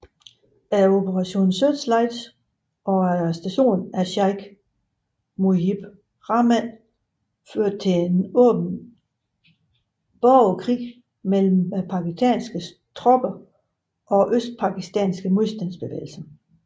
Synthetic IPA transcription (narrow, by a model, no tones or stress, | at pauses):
æɐo̝bʰəʁɑ̈ɕo̝̰ːnn̩sød̥slɑ̈ɪd̥s | ʔɒ̽æɐsd̥æɕo̝̰ːnæɐɕɑɪɡ̥ | moib̥ | ʁɑ̈mæn | føɐ̰d̥̚t͡sʰe̝enɔ̰̽ːb̥n̩ | b̥ɒʊkʰʁḭː | mel̰m̩pʰɑ̈kisd̥ʰɛ̰nsɡ̥ə | t͡sʰʁɒ̽b̥ɐ | ʔɒ̽ʔøsd̥̚pʰɑ̈ɡ̥isd̥ɛ̰nsɡ̥əmoðˠsd̥ænsb̥e̝ʋḛːl̩sɐ